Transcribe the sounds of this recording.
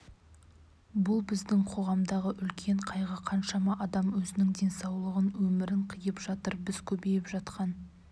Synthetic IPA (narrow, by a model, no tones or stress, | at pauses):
bʊlˠbɪzd̪ɪŋqʰo̞ʁɑmd̪ɑʁəʔʏlkʲʰe̞ɴqʰɑjʁəqʰɑnʃɑmɑʔɑd̪ɑmwɵzɪnɪŋd̪e̞nsɑwlˠəʁənwɵmɪɾɪɴqʰijəpʒɑt̪əɾbɪzkʲʰɵbe̞jɪpʒɑt̪qʰɑn